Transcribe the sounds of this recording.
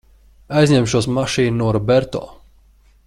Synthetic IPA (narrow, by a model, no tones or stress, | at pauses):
ajzʲɲɛmʃuːsmaʃiːnnuɔɾɔbɛɾt̪ɔ̰ː